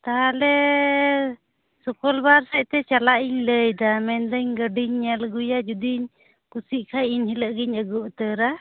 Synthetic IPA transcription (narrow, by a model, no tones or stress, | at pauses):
t̪aɦalɛ | sɔkɔlbaɾsɛʔt̪ɛt͡ʃalaʔiɲləjd̪amɛnd̪əɲɡəɖiɲɲɛlɡujad͡ʒud̪iɲ | kusiʔkʰajiɲhiləʔɡiɲəɡɔʔt̪əɾa